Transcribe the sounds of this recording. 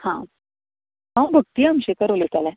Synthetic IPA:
hã | ɦãw̃bʱəɡ̚t̪iːamɕekəɾolet̪alɛ

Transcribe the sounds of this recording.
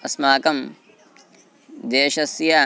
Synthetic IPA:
ɐsmaːkɐm | d̪eːʃɐsjɐ

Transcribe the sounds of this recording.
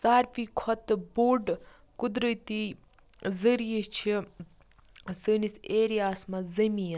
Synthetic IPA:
saːɾpikʰɔt̪buːɖ | kud̪ɾət̪i | zəɾijit͡ʃʰi | səniseːɾijaːsmɐzɐmiː

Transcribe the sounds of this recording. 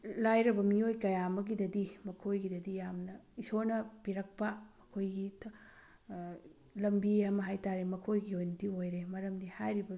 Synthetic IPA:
lajɾɐbɐmiojkɐjamɐɡidɐdimɐkʰojɡidɐdijamnɐisonɐpiɾɐk̚pɐmɐkʰojɡitʰ | lɐmbiamɐɦajtaɾemɐkʰojɡiojnɐdiojɾemɐɾɐmdihajɾibɐ

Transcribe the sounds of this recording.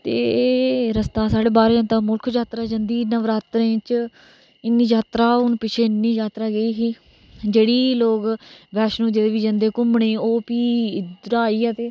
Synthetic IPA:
t̪eːɾəst̪aːsaːɽeːbaːɾd͡ʒãːnt̪aːmʊlkʰd͡ʒaːt̪ɾaːd͡ʒənd̪iːnəʋɾaːt̪ɾẽːt͡ʃ | ɪnːiːd͡ʒaːt̪ɾaːʊnpɪt͡ʃʰeːɪnːiːd͡ʒaːt̪ɾaːɡəiːɦiː | d͡ʒeːɽiːloːɡʋɛːʃnũːd͡ʒed̪eːʋiːd͡ʒə̃nd̪eːkʊmɳeːoːpiːd̪ʊɾaːiːɛːt̪eː

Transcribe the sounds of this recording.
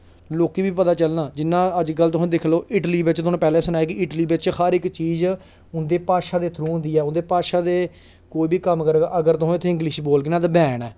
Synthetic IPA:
loːkiːbiːpət̪aːt͡ʃəlnãːd͡ʒɪnːãːəd͡ʒkəlt̪̬ʊsũːd̪ɪkʰloːʔɪʈliːbɪt͡ʃt̪ʊnũːpɛːlẽːsənaːeːkiʔɪʈliːbɪt͡ʃhəɾɪkt͡ʃiːz | ʊnd̪eːpaːʃaːd̪eːt̪ʰɾũːnd̪iːɛːʊnd̪eːpaːʃaːd̪eː | koːiːbʱiːkəmkəɾɡaːʔəɡəɾt̪ʊɦʊt̪ʰːẽɪ̃ŋɡlɪʃboːlkɪnãːt̪abɛːnɛː

